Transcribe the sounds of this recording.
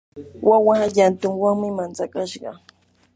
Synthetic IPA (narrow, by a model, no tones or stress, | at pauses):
wawaʎant̪ʊŋwaŋmɪmant͡sakaʃɢɑ̰